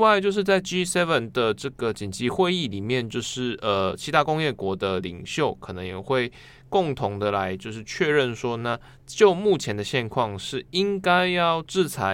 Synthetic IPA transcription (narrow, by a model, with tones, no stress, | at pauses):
wa˥˧ɪt͡ɕjo˥˧ʊʂ̬ɻ̩˥˧t͡sa˥˩ɪʈ͡ʂi˦˥sɛ˥və˨nd̪ə˩ʈ͡ʂɤ˥˩ɡə˩t͡ɕi˨˩nt͡ɕi˨˧˥xwe˥˧ɪi˥˨˩li˨˩mjɛ˥˨nt͡ɕjo˥˧ʊʂɻ̩˥˩ə˨˩t͡ɕʰi˧˥t̪ʰa˦˥kʊ˥ŋjɛ˥˩kwɔ˧˥d̪ə˧lḭ˨˩ŋɕjo˥˩ʊkʰɤ˨˩nɤ˧˥ŋjɛ̰˨˩xwe˥˧ɪ | kʊ˥˩ŋt̪ʰʊ˧˥ŋd̪ə˨la˧˦ɪt͡ɕjo˥˧ʊʂɻ̩˥˧t͡ɕʰɥɛ˥˧ɻə˥˨nʂwɔ˥na˥˧ | t͡ɕjo˥˧ʊmu˥˩t͡ɕʰjɛ˧˥nd̪ə˨˧ɕjɛ˥˧nkʰwɑ˥˧ŋʂɻ̩˥˩i˦ŋka˥ɪjɑ˥˩ʊʈ͡ʂɻ̩˥˩t͡sʰa˧˥